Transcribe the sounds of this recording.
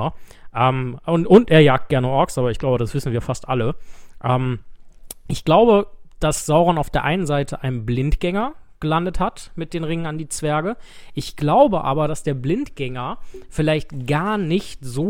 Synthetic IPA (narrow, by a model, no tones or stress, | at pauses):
ɐʔɛːmʔʊntʔʊntʔeːɐjaːk̚t̚ɡ̥ɛɐnəʔɔɐksʔaːbɐɪçɡ̥laʊbədasv̥ɪsn̩viːɐfastʔa̰ləʔɛːm | ʔɪçɡ̥laʊbəd̥asz̥aʊʁɔnaʊfd̥eːɐʔaɪnənzaɪtʰəʔaɪnənblɪntɡ̥ɛŋɐɡ̥əlandəthatmɪt̚d̥eːnʁɪŋənandiːt͡sv̥ɛɐɡəʔɪçɡ̥laʊbəʔa̰ːbɐɾasd̥eːɐblɪntɡ̥ɛŋɐfɪlaɪçtɡ̥aɐnɪçtz̥oː